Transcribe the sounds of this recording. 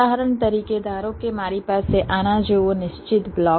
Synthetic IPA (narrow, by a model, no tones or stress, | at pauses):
aːɦəɾəɳt̪ɐɾiːked̪aːɾõkemaːɾipaːseʔaːnad͡ʒoːʋonɪʃt͡ʃɪt̪blɔː